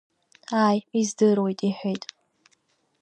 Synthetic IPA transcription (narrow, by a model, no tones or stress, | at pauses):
aːjizdɨrwejtʼiħʷejtʼ